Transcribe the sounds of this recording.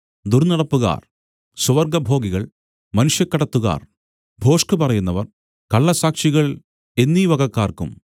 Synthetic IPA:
d̪urnɐɽɐpːuɣa̰ːr | suʋɐrɡɐbʱo̞ːɡiɣɐɭ | mɐnuʂjɐkːɐɽɐt̪ːuɣa̰ːr | bʱo̞ːʂkɨpɐrɐjunːɐʋɐ̰r | kɐɭːɐsaːkʂiɣɐɭ | e̞nːiʋɐɣɐkːaːrkṵm

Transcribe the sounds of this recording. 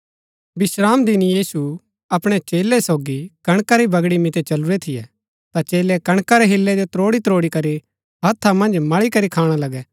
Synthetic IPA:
bɪsɾaːmd̪ɪnijiːsu | ɐpɽ̃ɛt͡ʃeːlɛsoːɡikɐɽ̃kaɾibɐɡɽimɪt̪ɛt͡ʃɐlʊɾɛt̪ʰɪjɛ̰ | t̪at͡ʃeːlɛkɐɽ̃kaɾɛɦɪlːɛd͡ʒot̪ɾoːɽit̪ɾoːɽikɐɾi | ɦɐt̪ʰːamɐ̃nd͡ʒmɐɭikɐɾikʰaːɽ̃alɐɡɛ

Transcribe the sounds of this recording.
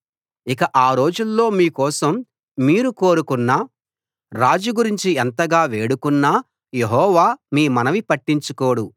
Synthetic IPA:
ikɐʔaːɾo̞ːd͡ʒulːo̞ːmiːkɔːsɐmː | iːɾuko̞ːɾukunːa | ɾaːd͡ʒuɡuɾiɲt͡ʃient̪ɐɡaːʋe̞ːɽukunːaː | je̞ɦɔːʋaːmiːmɐnɐʋipɐʈːiɲt͡ʃuko̞ːɽu

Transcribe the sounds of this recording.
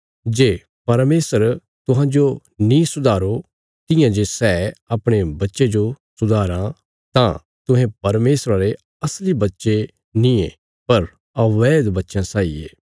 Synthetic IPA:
d͡ʒeː | pɐɾmeːsəɾ | t̪ʊɦãːd͡ʒo | nĩsʊd̪ʱaːɾo | t̪ɪjãd͡ʒesɛːɐpɽ̃ebɐtːʃed͡ʒosʊd̪ʱaːɾã | t̪ã̰ | t̪ʊɦẽpɐɾmeːsɾaɾe | ɐslibɐtːʃe | nĩẽ | pɐɾ | ɐʋeːd̪bɐtːʃãsaːḭḛː

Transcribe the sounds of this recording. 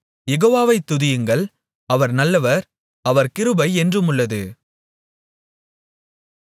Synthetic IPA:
jɛɣoːʋaːʋɐɪt̪ːʊðɪjɯŋɡɐɭ | ɐʋɐɾnɐlːɐʋɐɾ | ɐʋɐɾkɪɾɯbɐɪɛndrɯmʊɭːɐðɯ

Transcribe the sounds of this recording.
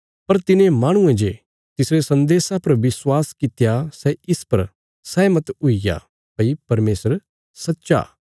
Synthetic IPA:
pɐɾt̪ɪnẽmaːɽ̃ʊ̃ẽd͡ʒe | t̪ɪsɾesɐ̃nd̪eːsapɐɾʋɪswaːskɪt̪jasɛɪspɐɾ | sɛmɐt̪ʊija̰ | pɐipɐɾmeːsəɾ | sɐtːʃa̰ː

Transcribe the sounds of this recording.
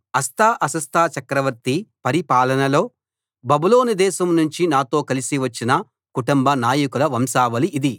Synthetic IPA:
ɐst̪ʰaːʔɐsɐst̪ʰaːt͡ʃɐkɾɐʋɐɾt̪ipɐɾipaːlɐnɐlo̞ː | bɐbulo̞ːnid̪ɛːʃɐmnuɲt͡ʃinaːt̪o̞ːkɐlisiʋɐt͡ʃːinɐ | kuʈumbɐnaːjɐkulɐʋɐmsaːʋɐliʔːd̪i

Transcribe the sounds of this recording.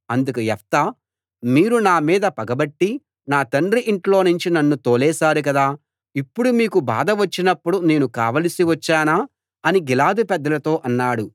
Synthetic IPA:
ɐnd̪ukɐɛft̪ɐ | miːɾunaːmiːd̪ɐpɐɡɐbɐʈːi | naːt̪ɐɳɾiʔiɳʈlo̞ːnuɲt͡ʃinɐnːut̪oːlɛːsaːɾukɐd̪aː | ipːuɽumiːkuba̰ːd̪ɐʋɐt͡ʃːinɐpːuɽune̞ːnuka̰ːʋɐlɐsiʋɐt͡ʃːaːnaː | ɐniɡilaːd̪upɛd̪ːɐlɐt̪o̞ːʔɐnːaːɽu

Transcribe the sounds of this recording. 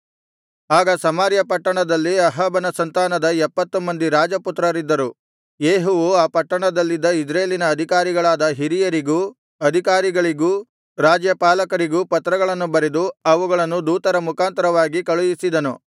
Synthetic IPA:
aːɡɐsɐmaːɾjɐpɐʈːɐɳɐd̪ɐlːiɐɦɐːbɐnɐsɐnt̪aːnɐd̪ɐɛpːɐt̪ːumɐnd̪iɾaːd͡ʒɐput̪ɾɐɾid̪ːɐɾu | jeːɦuʋuaːpɐʈːɐɳɐd̪ɐlːid̪ːɐid͡ʒɾɐeːlinɐːd̪ʱikaːɾiɡɐɭaːd̪ɐɦiɾijɐɾiɡu | ɐd̪ʱikaːɾiɡɐɭiɡuː | ɾaːd͡ʒjɐpaːlɐkɐɾiɡuːpɐt̪ɾɐɡɐɭɐnːubɐɾed̪uɐʋuɡɐɭɐnːud̪uːt̪ɐɾɐmukaːnt̪ɐɾɐʋaːɡikɐɭujisid̪ɐnu

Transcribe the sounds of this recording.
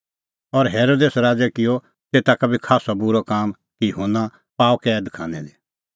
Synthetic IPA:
ɔɾɦeːɾoːd̪eːsɾaːd͡ʒɛkɪjɔ | t̪eːt̪akabʱikʰaːsɔbʊɾɔkaːm | kijʊɦona | paːkɛd̪kʰa̰ːnɛ̰d̪i

